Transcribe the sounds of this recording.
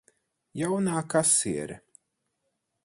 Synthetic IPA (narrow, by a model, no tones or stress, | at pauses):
jawnaːkasiɛɾ